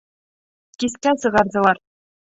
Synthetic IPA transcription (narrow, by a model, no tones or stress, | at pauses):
kʲiskʲæsɤ̆ʁɑrzɤ̆lˠɑr